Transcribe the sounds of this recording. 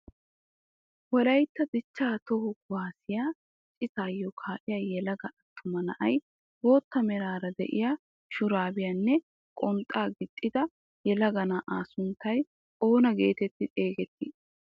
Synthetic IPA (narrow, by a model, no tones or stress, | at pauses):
wɔlɐjt̪ːɐd̪ɪt͡ʃːaːt̪ɔhʊɡwaːsɪjaː | t͡ʃʼːɪt̪aːjːɔkʰaːʔɪjajɛlɐɡɐʔɐt̪ʰːʊmɐnɐ̰ʔɐj | bo̞ːt̪ːɐmɛɾaːɾɐd̪ɛ̰ʔɪ̰jaː | ʃʊɾaːbɪjanːɛ | kʼɔnt̪ʼːaːɡɪt̪ʼːɪd̪ɐ | jɛlɐɡɐnaːʔaːsʊnt̪ːɐj | oːnɐɡe̞ːt̪ɛt̪ːɪt̪ʼeːɡɛt̪ːɪ